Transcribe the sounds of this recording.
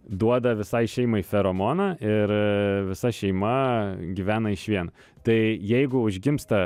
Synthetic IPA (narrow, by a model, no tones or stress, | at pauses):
d̪uɔd̪ɐʋʲɪsɐɪʃʲɛɪmɐifʲɛɾoːmoːnɐʔɪɾʋʲɪsɐʃʲɛɪmɐɡʲiʋʲæːnɐɪʃʋʲiɛn | t̪ɐɪjɛɪɡʊʊʒʲɡʲɪmst̪ɐ